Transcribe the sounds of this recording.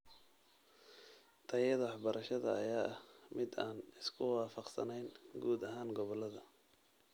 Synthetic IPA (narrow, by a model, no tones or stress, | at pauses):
t̪ʰɐjɐðɐwɑħbɐɾʔɐʃɐðɐ̰ɐ̰jaːɐhmɪd̪aːnɪskʰʊwɑːfɑqsɐ̰nɛjnɡuːd̪ɐɦaːŋɡɔβɔlɐðɐ